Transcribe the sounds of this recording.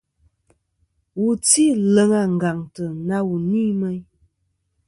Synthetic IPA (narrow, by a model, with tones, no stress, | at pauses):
wu˨ti˦lə˨ŋa˨ŋ̩˨ɡa˨ŋtə˨na˦wu˨niː˦mə˦j